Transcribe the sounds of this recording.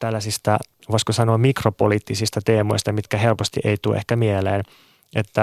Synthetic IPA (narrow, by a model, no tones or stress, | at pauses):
t̪ælːæsist̪æ | ʋoiskosɑnoːmmikropoliːt̪ːisist̪ɑt̪eːmo̰ist̪ɑmit̪kæhelpost̪ḭʔeit̪ṵːʔḛhkæmieleːn | ʔet̪ːæ